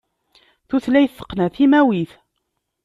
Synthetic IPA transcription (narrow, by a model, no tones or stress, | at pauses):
θuθlæjθːə̥qːnæθimæwiθ